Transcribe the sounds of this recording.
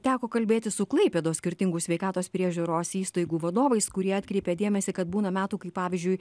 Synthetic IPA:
t̪ʲæːkoːkɐlʲbʲeːt̪ʲɪsʊklˠɐɪpʲɛd̪oːsʲkʲɪɾʲt̪ʲɪŋɡʊsʲʋʲɛɪkɑːt̪oːspʲɾʲiɛʒʲuːɾoːsiːst̪ɐɪɡuːʋɐd̪oːʋɐɪskʊɾʲiɛɑːt̪ʲkɾʲɛɪpʲed̪ʲeɛmʲɛsʲɪkɐt̪buːnɐmʲæːt̪uːkɐɪpɑːʋʲɪzʲd͡ʒʲʊɪ

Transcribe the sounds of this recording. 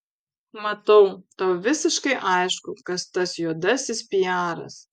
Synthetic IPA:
mɐt̪ɐʊt̪ɐʊʋʲɪsʲɪʃkɐɪʔɐɪʃkʊkɐst̪ɐsjuːd̪ɐsʲɪspʲɪjæːɾɐ̰s

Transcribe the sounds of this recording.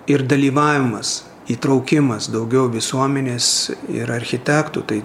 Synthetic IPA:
ɪɾd̪ɐlʲiːʋɑːʋʲɪmɐs | iːt̪ɾɐʊkʲɪmɐsd̪ɐʊɡʲɛʊʋʲɪsuɔmʲɛnʲeːsɪ̰ɾɐɾʲxʲɪt̪ʲæːkt̪ṵt̪ɐɪ

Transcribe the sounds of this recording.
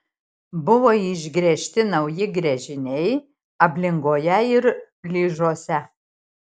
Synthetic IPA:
bʊʋoːiʒʲɡɾʲɛʃʲt̪ʲɪnɐʊjɪɡɾʲɛʒʲɪnʲɛɪ | ɐpʲlʲɪŋɡoːjɛɪɾ | lʲiːʒoːsʲɛ

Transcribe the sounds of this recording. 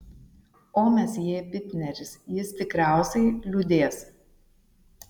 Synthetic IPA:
oːmʲɛsjiːpʲɪt̪ʲnʲɛɾʲɪsjɪst̪ʲɪkɾʲæˑʊsʲɛɪlʲud̪ʲeːs

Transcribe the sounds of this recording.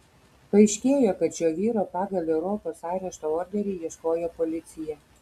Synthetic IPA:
pɐɪʃʲkʲeːjoːkɐt̪ʃʲoːʋʲiːɾoːpɑːɡɐlʲɛʊɾɔːpoːsɑˑɪɾʲɛʃt̪ooːɾʲɡ̪ʲɛɾʲiːjiɛʃkoːjoːpɔlʲɪt̪sʲɪjɛ

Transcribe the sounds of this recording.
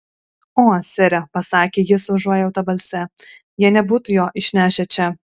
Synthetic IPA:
oːsʲɛɾʲɛpɐsɑːkʲeːjɪsʋɐʒuɔjɛɛʊt̪ɐbɐlʲsʲɛ | jiɛnʲɛbuːt̪ʊjoːʔɪʃʲnʲæːʃʲɛt͡ʃʲɛ

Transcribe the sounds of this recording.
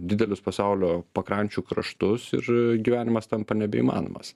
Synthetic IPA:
d̪ʲɪd̪ʲɛlʲʊspɐsɐʊlʲoːpɐkɾɐnʲt͡ʃʲuːkɾɐʃt̪ʊsɪ̰ɾɡʲiʋʲæːnʲɪmɐst̪ɐmpɐnʲɛbʲɛḭːmɑ̰ːno̰ːmɐ̰s

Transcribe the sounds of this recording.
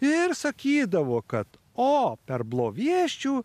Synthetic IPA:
ɪɾsɐkʲiːd̪ɐʋoːkɐt̪ | oːpʲɛɾblˠoːʋʲiɛʃʲt͡ʃʲuː

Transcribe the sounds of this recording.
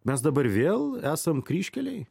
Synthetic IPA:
mʲɛs̬d̪ɐbɐɾʋʲeːlˠæːsɐmkɾʲiːʃʲkʲɛlʲɛɪ

